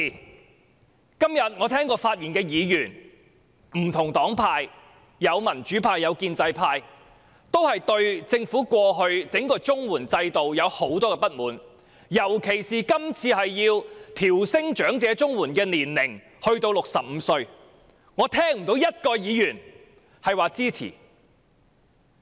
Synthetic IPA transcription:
kɐ˥mjɐ˨t̚ŋɔː˨˧t̪ʰɛː˥ŋkɔː˧faː˧t̚jiː˨˩nkɛː˧jiː˨˧jyː˨˩n | m̩˨˩t̪ʰʊ˨˩ŋt̪ɔː˨˥ŋpʰaː˧j | jɐ˨˧wmɐ˨˩nt͡ʃyː˨˥pʰaː˧jːɐ˨˧wkiː˧nt͡sɐ˧jpʰaː˧j | t̪o˥whɐ˨jt̪ɵ˧ɥt͡sɪ˧ŋfuː˨˥kʷɔː˧ɦɵ˧ɥt͡sɪ˨˥ŋkɔː˧t͡sʊ˥ŋwuː˨˩nt͡sɐ˧jt̪o˨wjɐ˨˧who˨˥wt̪ɔː˥kɛː˧pɐ˥t̚muː˨˥n | jɐ˨˩wkʰe˨˩jsiː˨kɐ˥mt͡sʰiː˧hɐ˨jːiː˧wt̪ʰiː˨˩wsɪ˥ŋt͡ʃœː˨˥ŋt͡sɛː˨˧t͡sʊ˥ŋwuː˨˩nkɛː˧niː˨˩nlɪ˨˩ŋ | hɵ˧ɥt̪o˧wlʊ˨k̚sɐ˨p̚m̩ː˨˧sɵ˧ɥ | ŋɔː˨˧t̪ʰɛː˥ŋm̩˨˩t̪o˨˥wjɐ˥t̚kɔː˧jiː˨˧jyː˨˩n | hɐ˨jwaː˨t͡siː˥t͡sʰḭː˨˩

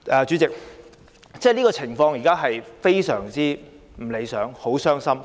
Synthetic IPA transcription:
ʔɛː˧t͡ʃyː˨˥t͡sɪ˨k̚ | t͡sɛː˥˩liː˥kɔː˧t͡sʰɪ˨˩ŋfɔː˧ŋjiː˨kaː˥ɦɐ˨jfe˥jsœ̰ː˨˩ŋt͡siː˥ | m̩˨˩le˨˧jsœː˨˥ŋho˨˥wsœː˥ŋsɐ˥m

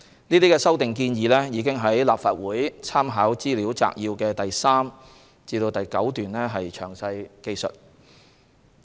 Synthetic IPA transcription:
niː˥t̪iː˥kɛː˧sɐ˥wt̪ɪ˨ŋkiː˧njiː˨˧lɛː˥jiː˨˧˥kɪ˥ŋɦɐ˨˥jlaː˨p̚faː˨t̚wuː˨˥jt͡sʰaː˥mɦaː˨˥wt͡siː˥liː˨˥wt͡sa̰ː˧k̚jiː˧wkɛː˧t̪ɐ˨jsaː˥m | t͡siː˧t̪o˧wt̪ɐ˨jkɐ˨˥wt̪yː˨nlɛː˥ɦɐ˨jt͡ʃʰœː˨˩ŋsɐ˧jke˧jsɵ̰˨t̚

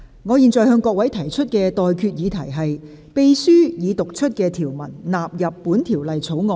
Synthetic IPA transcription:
ŋɔː˨˧jiː˨nt͡sɔː˨jɦœː˧ŋkɔː˧k̚wɐ˨˥jt̪ʰɐ˨˩jt͡ʃʰɵ˥t̚kɛː˧t̪ɔː˨jkʰyː˧t̚jiː˨˧t̪ʰɐ˨˩jɦɐ˨j | pe˧jsyː˥jiː˨˧t̪ʊ˨k̚t͡ʃʰɵ˥t̚kɛː˧t̪ʰiː˨˩wmɐ˨˩nlaː˨p̚jɐ˨pːuː˨˥nt̪ʰiː˨˩wlɐ˨jt͡sʰo˨˥wŋɔː˨˧

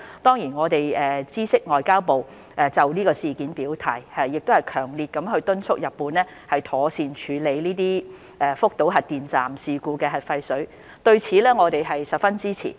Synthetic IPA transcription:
t̪ɔː˥ŋjiː˨˩nŋɔː˨˧t̪e˨jɛː˨t͡siː˥sɪ˥k̚ŋɔː˨jkaː˥wpo˨w | ʔɛː˨t͡sɐ˨wliː˥kɔː˧siː˨kiː˨˥npiː˨˥wt̪ʰa̰ː˨˩jɛ˨jɪ˨k̚t̪o˥hɐ˨jkʰœː˨˩ŋliː˨t̚kɐ˨˥mɦɵ˧ɥt̪ɵ˥nt͡sʰʊ˥k̚jɐ˨pːuː˨˧nlɛː˥ | hɐ˨jt̪ʰɔː˨˥siː˨˧nt͡ʃʰyː˨˧le˨˧jliː˥t̪̬iː˥ | ɛː˨fʊ˥k̚t̪o˨˥wɦɐ˨t̚t̪iː˨nt͡saː˨˩msiː˨kuː˨˧kɛː˧ɦɐ˨t̚fɐ˧jsɵ˨˥ɥ | t̪ɵ˧ɥt͡sʰiː˨˥lɛː˥ŋɔː˨˧t̪e˨jɦɐ˨jsɐ˨p̚fɐ˥nt͡siː˥t͡sʰḭː˨˩

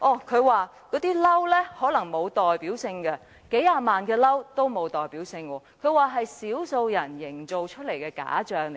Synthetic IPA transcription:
ʔɔː˨˩kʰɵ˨˧waː˨˧ | kɔː˨˥t̪iː˥lɐ˥wlɛː˥hɔː˨˥lɐ˨˩ŋmo˨˧wt̪ɔː˨jpiː˨˥wsɪ˧ŋkɐ˧ | ke˨˥jaː˧maː˨nkɛː˧lɐ˥wt̪o˥wmo˨˧wt̪ɔː˨jpiː˨˥wsɪ˧ŋwɔː˧kʰɵ˨˧waː˨ɦɐ˨jsiː˨˥wso˧wjɐ˨˩njɪ˨˩ŋt͡so˨wt͡ʃʰɵ˥t̚le˨˩jkɛː˧ka̰ː˨˥t͡ʃœː˨ŋ˨

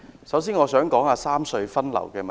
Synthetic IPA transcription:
sɐ˨˥ws̬iː˥nŋɔː˨˧sœː˨˥ŋkɔː˨˥ŋaː˧saː˥msɵ˧ɥfɐ˥nlɐ̰˨˩wkɛː˧mɐ

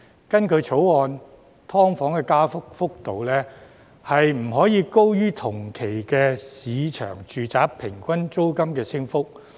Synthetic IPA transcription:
kɐ˥nkʰɵ˨˧ɥt͡sʰo˨˥wɔː˨˧n | t̪ʰɔː˥ŋfɔː˨˥ŋkɛː˧kaː˥fʊ˥k̚fʊ˥k̚t̪o˨˧wlɛː˥ | hɐ˨jm̩˨˩ɦɔː˨˥jiː˨˧ko˥wjyː˥t̪ʰʊ˨˩ŋkʰe˨˩jkɛː˧siː˨˧t͡ʃʰœ̰ː˨˩ŋt͡ʃyː˨t͡saː˨˥pʰːɪ˨˩ŋkʷɐ˥nt͡so˥wkɐ˥mkɛː˧sɪ˥ŋfʊ˥k̚

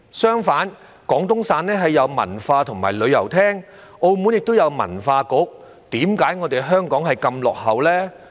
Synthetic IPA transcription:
sœː˥ŋfaː˨˥n | kɔː˨˥ŋt̪ʊ˥ŋsaː˧nlɛː˥ɦɐ˨jːɐ˨˧wmɐ̰˨˩nfaː˧t̪ʰʊ˨˩ŋmaː˨˩jlɵ˨˧ɥjɐ˨˩wt̪ʰɛː˥ŋ | o˧wmuː˨˥njɪ˨k̚t̪o˥wjɐ˨˧wmɐ̰˨˩nfaː˧kʊ˨˥k̚ | t̪iː˨˥mkaː˨˥jŋɔː˨˧t̪e˨jɦœː˥ŋkɔː˨˥ŋhɐ˨jkɐ˧mlɔ̰ː˨k̚hɐ˨˧wlɛː˥

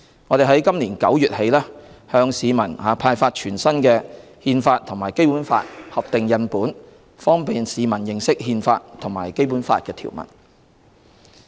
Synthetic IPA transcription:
ŋɔː˨˧d̪e˨ɦɐ˨˥jkɐ˥mliː˨˩nkɐ̰˨˥wjyː˨t̚he˨˧jlɛː˥hœː˧ŋsiː˨˧mɐ˨˩nhaː˨˩pʰaː˧jfaː˧t̚t͡ʃʰyː˨˩nsɐ˥nkɛː˧ | hiː˧nfaː˧t̚t̪ʰʊ˨˩ŋmaː˨˩jke˥jpuː˨˥nfa̰ː˧t̚hɐ˨p̚t̪ɪ˨ŋjɐ˨˧npuː˨˥n | fɔː˥ŋpiː˨nsiː˨˧mɐ˨˩njɪ˨ŋsɪ˥k̚hiː˧nfaː˧t̚t̪ʰʊ˨˩ŋmaː˨˩jke˥jpuː˨˥nfa̰ː˧t̚kɛː˧t̪ʰḭ˨˩wmɐ̰˨˩n

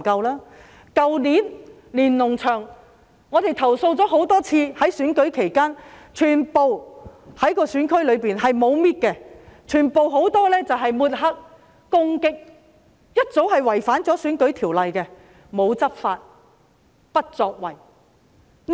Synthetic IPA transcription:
kɐ˧wlaː˥ | kɐ˨wniː˨˥n | liː˨˩nlʊ˨˩ŋt͡ʃʰœː˨˩ŋ | ŋɔː˨˧t̪e˨jt̪ʰɐ˨˩wso˧wt͡sɔː˨˥ho˨˥wt̪ɔː˥t͡sʰiː˧hɐ˨˥jsyː˨˥nkɵ˨˥ɥkʰe˨˩jkaː˥nt͡ʃʰyː˨˩npo˨whɐ˨˥jkɔː˧syː˨˥nkʰɵ˥lɵ˨˧ɥpiː˨nɦɐ˨jmo˨˧wmiː˥t̚kɛ˧t͡ʃʰyː˨˩npo˨wɦo˨˥wt̪ɔː˥lɛː˥t͡sɐ˨wɦɐ˨jmuː˨˩t̚ɦɐ˥k̚ː | ʊ˥ŋkɪ˥k̚ | jɐ˥t̚t͡so˨˥whɐ˨jwɐ˨˩jfaː˨˥nt͡sɔː˨˥syː˨˥nkɵ˨˥ɥt̪ʰiː˨˩wlɐ˨jkɛ˧ | mo˨˧wt͡sɐ˥p̚faː˧t̚ | pɐ˥t̚t͡sɔː˧k̚wɐ˨˩j

